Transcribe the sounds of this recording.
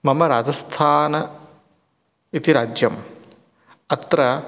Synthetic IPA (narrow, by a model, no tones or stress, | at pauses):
mɐmɐɾaːd͡ʒɐst̪ʰaːnɐ | it̪iɾaːd͡ʒjɐm | ɐt̪ɾɐ